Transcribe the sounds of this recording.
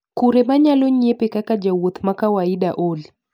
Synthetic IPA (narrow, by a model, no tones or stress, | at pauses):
kuɾɛmaɲaloɲiepekakad͡ʒawot̪makawaiɗaʔoli